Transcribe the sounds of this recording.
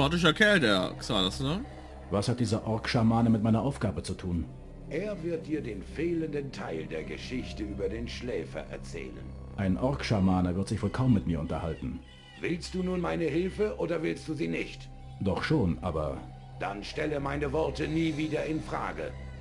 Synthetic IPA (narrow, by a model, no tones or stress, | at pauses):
aːtɪʃ̬ɐkʰɛːldeːɐksaasnɐ | vashat̚d̥iːzɐʔɔɐkʃamaːnəmɪt̚maɪnɐʔaʊfɡ̥aːbət͡sutʰuːn | ʔeːɐvɪɐt̚d̥iːɐdeːnfeːləndəntʰaɪldeːɐɡə̰ʃɪçtəʔyːbɐdeːnʃlɛːfɐ̰ʔɛ̰ɐt͡sɛ̰ːlə̰n | ʔaɪnʔɔɐkʃaɐmaːnɐvɪɐtz̥ɪçv̥oːlkʰaʊmːɪtmiːɐʔʊntɐhaltn̩ | v̥ɪlst̚d̥uːnuːnmaɪnəɦɪlfəʔoːdɐvɪlst̚d̥uːziːnɪçt | d̥ɔχʃoːnʔa̰ːbɐ | d̥a̰nʃtɛləmaɪnəvɔɐtəniːviːdɐɪnfʁ̥a̰ːɡə̰